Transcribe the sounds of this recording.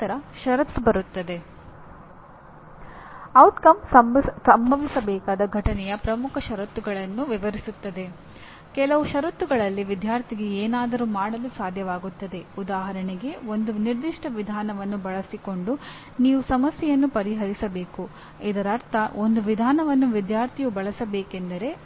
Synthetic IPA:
t̪ɐɾɐʃɐɾɐp̪sbɐɾut̪ːɐd̪e̞ | ɐwʈkɐmsɐmsɐmbʱɐʋisɐbɛːkaːd̪ɐɡʱɐʈɐnɛjɐpɾɐmukʰɐʃɐɾɐt̪ːuɡɐɭɐnːuʋiʋɐɾisut̪ːɐd̪e̞ | kɛlɐʋuʃɐɾɐt̪ːuɡɐɭɐlːiʋid̪ʱjaːɾt̪ʰiɡe̞eːnaːd̪ɐɾumaːɽɐlusaːd̪ʱjɐʋaːɡut̪ːɐd̪e̞ud̪aːɦɐɾɐɳeɡe̞o̞nd̪uniɾd̪iʂʈɐʋid̪ʱaːnɐʋɐnːubɐɭɐsiko̞ɳɖu | niːʋusɐmɐsjɛjɐnːupɐɾiɦɐɾisɐbe̞ːku | id̪ɐɾɐɾt̪ʰɐʔo̞nd̪uʋid̪ʱaːnɐʋɐnːuʋid̪jaːɾt̪ʰijubɐɭɐsɐbeːke̞nd̪ɐɾe̞

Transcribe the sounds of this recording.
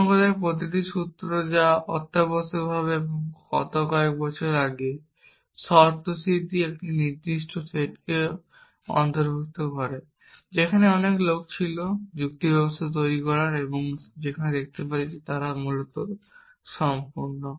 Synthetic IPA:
ɔŋɡod̪ekpɾot̪̬iʈ̪̬iʃut̪ːɾod͡ʑaɔt̪ːabɔst̪obʱaβeeboŋkɔ̰t̪okɔek̚bɔt͡ɕʰoɾaɡe | ʃɔɾt̪osit̪iek̚ʈiniɾd̪iʃʈʰofeʈke | ɔ̰nt̪oɾbʱokt̪okɔɾe | d͡ʑekʰaneɔneklok̚t͡ɕʰilod͡ʑuk̚t̪ibʱɛbost̪ʰat̪̬ojɾikɔɾaɾeboŋd͡ʑekʰaned̪ek̚ʰt̪epaɾid͡ʑet̪aɾamulot̪o | ʃɔmpuɾno

